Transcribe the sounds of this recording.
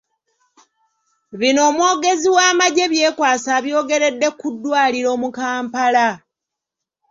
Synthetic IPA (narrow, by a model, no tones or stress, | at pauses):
βino̞ːmwo̞ːɡe̞ziwaːmaɟe̞βje̞ːkwaːsaːβjo̞ːɡe̞ɾe̞dːe̞kudːwaːliɾo̞ːmukaːmpala